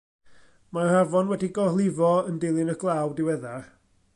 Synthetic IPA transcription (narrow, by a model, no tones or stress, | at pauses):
mahavɔnwɛdiɡɔrlˠɪvɔəndɪlˠɪnəɡlˠawdɪwɛðar